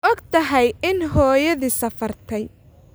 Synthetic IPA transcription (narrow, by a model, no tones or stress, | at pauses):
ʔɔɡt̪ʰɐɦɛjɪnɦɔːjɐðiːsɐfɐrt̪ʰɛj